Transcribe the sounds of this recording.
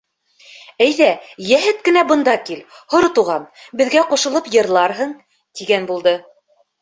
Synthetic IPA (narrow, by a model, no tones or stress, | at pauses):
æjðæjæɦɘt̪̚kɘ̆næbɤ̆nd̪ɑkilhŏɾt̪uʁɑnbɘ̆ðɡæquʃɤ̆lˠɤpjɤ̆ɾlˠɑɾɦɤɴ | t̪iɡænbulˠd̪ɤ